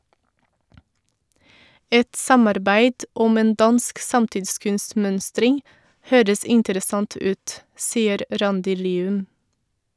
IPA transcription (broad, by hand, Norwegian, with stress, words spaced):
ˈɛt ˈsɑmɑɾˌbæɪd ˈʊm ˈeːn ˈdɑnsk ˈsɑmtɪdˌskʉnstˌmœnstɾɪŋ ˈhøːɾəs ˈɪntəɾəˌsɑnt ˈʉːt ˈsiːəɾ ˈɾɑndɪ ˈliːʉm